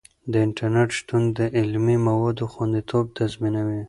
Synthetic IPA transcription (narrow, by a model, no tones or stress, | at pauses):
d̪əɪɳʈaɾneʈʃt̪und̪əʔɪlmimawɑd̪oxwand̪it̪ʰob̚t̪azminawi